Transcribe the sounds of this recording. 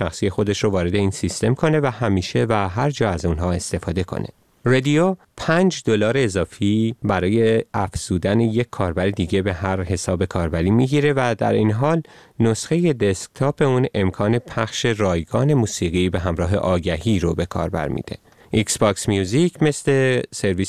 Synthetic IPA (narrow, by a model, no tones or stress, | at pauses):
ʃæxsiːje̞xo̞d̪e̞ʃɾovɒːɾe̞d̪e̞iːnsist̪e̞mkʰo̞ne̞væhæmiːʃe̞væɦæɾd͡ʒɒːæzunɦɒːe̞st̪e̞fɒːd̪e̞kʰo̞̰nʔe̞̰ | red̪io | pʰænd͡ʒd̪o̞lɒːɾeːzɒːfiːbæɾɒːjeæfz̥uːd̪æneje̞cʲʰːɒːɾbæɾed̪iːɟe̞be̞hæɾhe̞sɒːbe̞kʰɒːɾbæɾiːmiɟiɾe̞væd̪æ̰ɾinɦɒːlno̞sxe̞je̞d̪e̞sk̚t̪ʰoːpe̞une̞mkʰɒːne̞pʰæxʃe̞ɾɒːjɡɒːne̞muːsiːɣiːbe̞ɦæmɾɒːɦe̞̰ʔɒːɟæhiːɾobe̞kʰɒ̰ːɾbæ̰ɾmḭːd̪̥e̞̰ | ʔiksbɒksmjuːzicʰme̞sle̞seɾviː